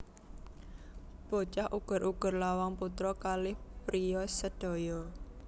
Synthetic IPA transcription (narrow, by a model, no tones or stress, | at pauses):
b̥o̤t͡ʃahʔuɡ̥ʊ̤ɾʔuɡ̥ʊ̤rlawaŋput̪ɾɔkalɪhpɾijɔsəɖ̥o̤jɔ